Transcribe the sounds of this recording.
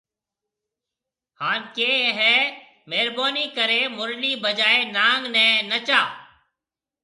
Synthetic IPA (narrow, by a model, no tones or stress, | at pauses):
haːnkeːɦɛː | meːɾboːniːkəɾeːmʊɾliːbəd͡ʒaːeːnaːŋɡnɛ̃ːnət͡ʃaː